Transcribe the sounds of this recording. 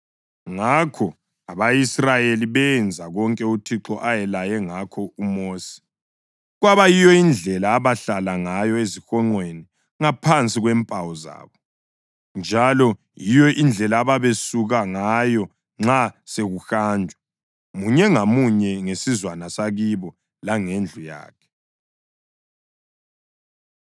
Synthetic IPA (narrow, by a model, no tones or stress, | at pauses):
ŋakʰɔ | aβajisrajeliβɛnd͡zʱaɣɔŋkʼɛutʰiǁɔʔajɛlajɛŋakʰɔumoːsi̥ | ɣwaβajijɔind͡ɮʱɛlaːβaɬalaŋajɔezixɔŋ͡ǃweni | ŋapʰant͡sʼiɣwɛmpʼawɔza̰ːβɔ | nd͡ʒʱalɔ | jijɔʔind͡ɮʱɛlaːβaβesuɣaŋajɔ | ŋ͡ǁaseɣuxaːndʱwɛ | muɲɛŋamuɲɛŋesizwanasaɣiβɔ | laŋend͡ɮʱuja̰ːkʰɛ̥